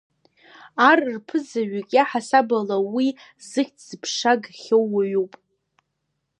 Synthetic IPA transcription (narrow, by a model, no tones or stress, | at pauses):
arrpʰɨzaɥakʲʼaħasabalawi | zɨχʲtʰz̥ɨpʰʂaɡχʲowaɥupʼ